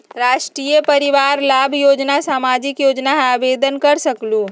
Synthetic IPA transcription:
ɾaːʃʈɾiːjəpɐɾɪʋaːɾlaːbʱjoːd͡ʒnasaːmaːd͡ʒɪkjoːd͡ʒnaɦaːbeːd̪ʱənkɐɾsɐklũː

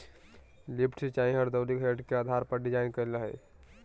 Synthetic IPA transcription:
lipʰʈʰsit͡ʃaĩɦəɾd̪əwlikɦeɖkeaːd̪ʱaɾpəɾɖid͡ʒaːɪnkələɦɛ̰

